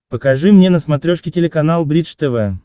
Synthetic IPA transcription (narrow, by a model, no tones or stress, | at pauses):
pəkɐʐɨmnʲenəsmɐt̪ɾʲoʂkʲɪtʲɪlʲɪkɐnalˠbɾʲid̪ʂt̪ɛvɛ